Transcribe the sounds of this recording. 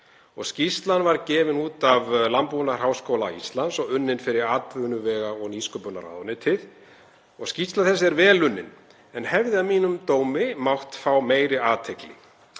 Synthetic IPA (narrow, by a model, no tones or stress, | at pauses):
ɔɣscist̪lanvaɾcɛːvɪnuːt̪avlampunar̥ɦawskoːwla̰ist̪lansɔɣʏnːɪnfɪɾɪɾaːt̪vʏnʏvɛːɣaɔɣniːskœpʏna̰ɾa̰ðɔnɪt̪ʰɪð̥ | ɔɣscist̪laθɛsːɛɾvɛːlʏnːɪn | ɛnhɛvðɪavmiːnʏmt̪oːwmɪmawht̪fawmeːjɾɪaːt̪ʰeklɪ